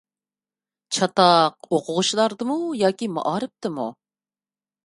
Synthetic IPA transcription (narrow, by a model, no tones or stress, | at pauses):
t͡ʃʰɑt̪ɑqoqʰʊʁʊʃlˠɑɾd̪ɨmujɑːkʲimɑ̰ʔɑːɾɨp̚t̪ɨmṵ